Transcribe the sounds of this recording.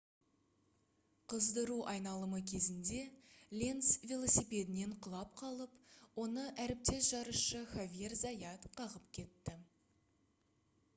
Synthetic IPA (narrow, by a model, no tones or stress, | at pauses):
qʰəzd̪əɾuʔɑjnɑlˠəməkʲʰe̞zɪnd̪e̞lʲe̞nsvʲelˠo̞sijpe̞d̪ɪne̞ɴqʰəlˠɑp̚qʰɑlˠəpwo̞nəʔæɾɪp̚t̪e̞sʒ̥ɑɾəʃəχavʲije̞rzɑjɑt̪qʰɑʁəpkʲʰe̞t̪ːɪ